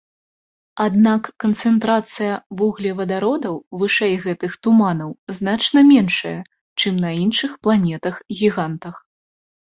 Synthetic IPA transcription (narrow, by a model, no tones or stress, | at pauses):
ad̪nakːɐnt̪sɛnt̪ɾat̪sɨjɐvɔɣlʲɛvɐd̪aɾɔd̪ɐwvɨʂɛjɣɛt̪ɨxt̪umanɐwznat͡ʂnɐmʲɛnʂɐjɐ | t͡ʂɨmnɐinʂɨxplˠanʲɛt̪ɐxɣʲiɣant̪ɐx